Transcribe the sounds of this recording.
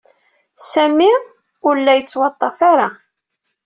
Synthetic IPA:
sæmi | ʊɾəlːæjət͡sːwɑt̪ˤːɑfaɾa

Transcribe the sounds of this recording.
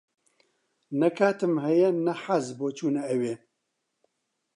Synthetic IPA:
nɛkʰaːt̪ɨmɦɛjɛnɛħazboːt͡ʃʰuːnɛɛweː

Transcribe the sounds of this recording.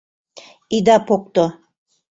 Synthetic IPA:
id̪apok̚t̪o

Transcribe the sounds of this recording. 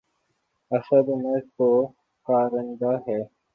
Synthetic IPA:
ɐsəd̪meɾko | kaːɾənd̪aːɦɛː

